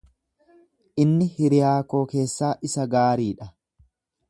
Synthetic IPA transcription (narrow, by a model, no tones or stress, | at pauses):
ʔɪnːɪhɪɾɪjaːko̞ːke̞ːsːaːʔɪsɐɡaːɾiːᶑɐ